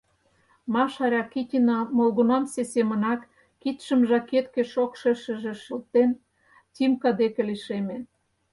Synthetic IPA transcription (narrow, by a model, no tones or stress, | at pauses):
mɑʃɑɾʲɑkitʲinɑmolɣunɑmsesemə̆nɑkː | it̪ʃə̆mʒɑket̪kĕʃokʃə̆ʃə̆ʒĕʃəlt̪en | t̪ʲimkɑd̪ekĕliʃemen